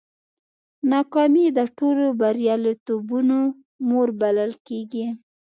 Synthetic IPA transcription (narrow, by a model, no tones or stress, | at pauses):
nɑkɑmid̪əʈolobaɾjɑlot̪ubuno | moɾbaləlkeɡi